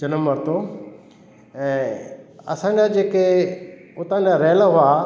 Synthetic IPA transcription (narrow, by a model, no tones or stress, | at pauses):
d͡ʒɐnəmːɐɾt̪o | ɛ̃ːɐ̰sãɲd͡ʑad͡ʑeːke | ʊt̪ãːɲd͡ʑaɾeːlaɦʊa